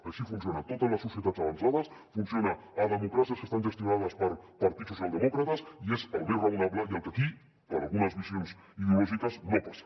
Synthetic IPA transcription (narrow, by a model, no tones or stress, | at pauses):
aʃifunsjonat̪ot̪ələsːusjət̪att͡saβ̞ansað̞əs | funsjonaːðəmukɾasijəskəst̪anʒəst̪junað̞əspəɾpɐɾt̪it̪susjalˠd̪əmɔkɾət̪əsiezəlˠβerəunaβləiəlˠkəki | pəɾa̰lˠɣunəzβisjons | iðuosit̪əznnopas